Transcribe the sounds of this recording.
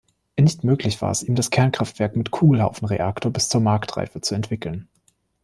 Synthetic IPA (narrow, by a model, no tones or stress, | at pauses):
ʔɛnɪçtmøːklɪçv̥a̰ːɐɛsiːmdaskʰɛɐnkʁ̥aftv̥ɛɐkmɪtkʰuːɡl̩ha̰ʊfn̩ʁḛʔaktʰoːɐbɪst͡suːɐmaɐktʁ̥a̰ɪfət͡suɛntv̥ɪkl̩n